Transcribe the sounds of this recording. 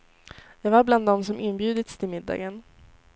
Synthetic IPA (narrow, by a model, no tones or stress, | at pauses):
jɑːɡvaɾbland̪ːɔmsɔmʔɪnːbjʉ̟ːd̪ət̪st̪ʰɪlmɪd̪ːɑ̰ːɡən